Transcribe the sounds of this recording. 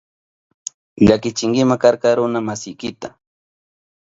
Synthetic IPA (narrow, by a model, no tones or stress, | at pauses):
ʎakɪt͡ʃɪŋɡɪmakaɾkɑɾʊnamasɪjkɪt̪a